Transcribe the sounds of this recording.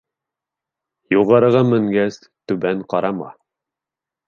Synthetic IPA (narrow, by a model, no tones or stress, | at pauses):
juʁɑɾɤ̆ʁɑmɘ̆ŋɡæs | t̪ʉbæŋqɑɾɑmɑ̰